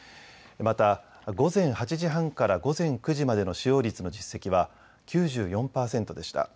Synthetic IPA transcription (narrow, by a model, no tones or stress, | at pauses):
mat̪a | ɡo̞zẽ̞ɰ̃hat͡ɕiʑiɦãŋkaɾaɡo̞zẽ̞ŋkɯ̟ʑimad̪e̞no̞ɕijo̞ːɾʲit͡sɨno̞d͡ʑisːe̞kʲiβa | kʲɨːʑɨːjõ̞mpaːsẽ̞nt̪o̞d̪e̞ɕi̥t̪a̰